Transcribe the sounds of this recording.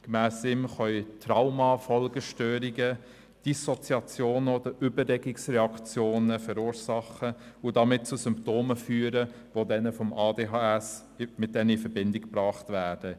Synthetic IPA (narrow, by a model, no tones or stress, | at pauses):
kmæːsɪmχœʏtɾaʊmɑfɔlɡ̥əʃtøːɾiɡə | d̥isɔt͡siɑt͡sjoːnod̥̪əɾʏbəɾlɛɡɪksɾɛɑkt͡sjoːnəfɛɾuːɾsɑχəʊdɑmɪt̚t͡susʏmptoːməfyːɾə | ʋodɛnəfɔmɑːdeːɦɑːɛs | mɪt̚d̥ɛnəifəɾbɪndɪkpɾɑːχtvæːɾd̥ə